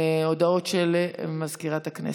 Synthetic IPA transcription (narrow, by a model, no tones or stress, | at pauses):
od̪ao̞t̪ʃel̰mːazkiʁat̪aknḛ